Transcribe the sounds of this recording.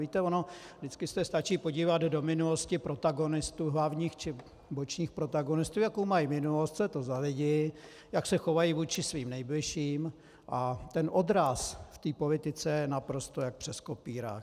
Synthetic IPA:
viːt̪ɛonodɪt͡skɪst̪ɛst̪at͡ʃiːpo̞ɟiːvad̪do̞mɪnulo̞scɪpɾo̞t̪aɡo̞nɪst̪uːɦlavɲiːxt͡ʃɪ | bo̞t͡ʃɲiːxpɾo̞t̪aɡo̞nɪst̪uːjakowmajimɪnulo̞st̪sɛt̪ozalɪɟɪ | jaksɛxo̞vajivuːt͡ʃɪsviːmnɛjblɪʃiːm | ʔat̪ɛnʔo̞dɾasft̪iːpo̞lɪt̪ɪt͡sɛjɛnapɾo̞st̪o̞jak̚pr̥ɛsko̞piːɾa̰ː

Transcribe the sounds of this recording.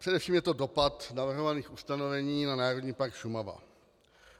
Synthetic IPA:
pr̥ɛdɛfʃiːmjɛt̪odopat̪navr̩ɦovaniːxust̪ano̞vɛɲiːnanaːɾodɲiːpaɾkʃumava̰

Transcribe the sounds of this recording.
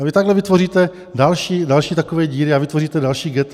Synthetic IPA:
vɪt̪aɡlɛvɪt̪vo̞riːt̪ɛ | dalʃiːdalʃiːt̪akovɛːɟiːɾɪavɪt̪voriːt̪ɛdalʃiːɡɛt̪

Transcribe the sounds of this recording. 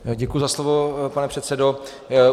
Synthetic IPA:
ɟɛkujuzaslovopanɛpr̝̥ɛt̪sɛdo

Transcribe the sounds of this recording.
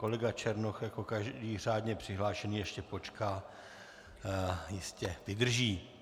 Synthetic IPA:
ko̞lɛɡat͡ʃɛɾnoxjako̞kaʒdiːr̝aːd̪ɲɛpr̥ɪɦlaːʃɛniːjɛʃcɛpo̞t͡ʃkaː | jɪscɛvɪdr̩ʒiː

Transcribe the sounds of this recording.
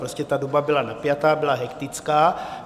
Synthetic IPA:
ɾoscɛt̪adobabɪlanapjat̪aːbɪlaɦɛkt̪ɪt͡skaː

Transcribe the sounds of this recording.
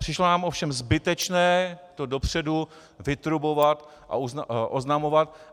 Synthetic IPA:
r̥ɪʃlonaːmʔo̞fʃɛmzbɪt̪ɛt͡ʃnɛːt̪odo̞pr̝̥ɛdu | vɪt̪ɾubo̞vat̪ | ʔa̰ʔuʔoznamo̞vat̪̚

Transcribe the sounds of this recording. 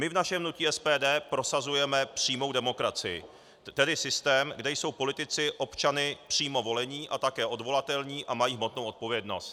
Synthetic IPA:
mɪvnaʃɛmnuciːɛspɛːdɛːpɾo̞sazujɛmɛpr̝̥iːmo̞wdɛmo̞kɾat͡sɪjɪ̰ | t̪ɛdɪsɪst̪ɛːmɡdɛjso̞wpo̞lɪt̪ɪt͡sɪʔo̞pt͡ʃanɪpr̝̥iːmo̞vo̞lɛɲiːʔat̪akɛːʔo̞dvo̞lat̪ɛlɲiːʔamajiːɦmo̞t̪nowʔot̪po̞vjɛdno̞st̪

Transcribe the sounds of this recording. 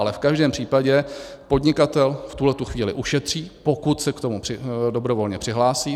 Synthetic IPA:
alɛfkaʒdɛːmpr̥iːpaɟɛ | po̞dɲɪkat̪ɛlft̪uɦlɛt̪uxviːlɪʔuʃɛt̪r̝̥iːpo̞kut̪sɛkt̪o̞mupr̥ɪdobɾo̞vo̞lɲɛpr̥ɪɦlaːsiː

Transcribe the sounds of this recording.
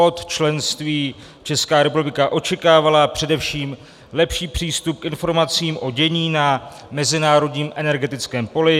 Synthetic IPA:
ot̪t͡ʃlɛnst̪viː | t͡ʃɛskaːɾɛpublɪkaʔo̞t͡ʃɛkaːvalapr̝̥ɛdɛfʃiːm | lɛpʃiːpr̝̥iːst̪up̚kɪnfo̞ɾmat͡siːmʔo̞ɟɛɲiːna | mɛzɪnaːɾo̞dɲiːmʔɛnɛɾɡɛt̪ɪt͡skɛːmpo̞lɪ

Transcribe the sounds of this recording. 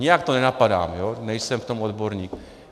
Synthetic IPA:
ɲɪjakt̪onɛnapada̰ːmjonɛjsɛmft̪omod̪boɾɲiːk

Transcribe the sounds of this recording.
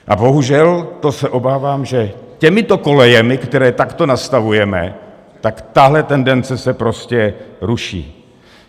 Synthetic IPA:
ʔabo̞ɦuʒɛlt̪o̞sɛʔo̞baːvaːmʒɛ | cɛmɪt̪o̞ko̞lɛjɛmɪkt̪ɛɾɛːt̪akt̪o̞nast̪avujɛmɛ̰ | t̪akt̪aɦlɛt̪ɛndɛnt͡sɛsɛpɾo̞scɛɾuʃḭː

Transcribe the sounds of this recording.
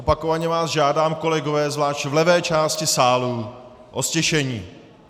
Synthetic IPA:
opakovaɲɛvaːzʒaːdaːmko̞lɛɡovɛːzvlaːʃcvlɛvɛːt͡ʃaːscɪsaːluː | ʔoscɛʃɛɲiː

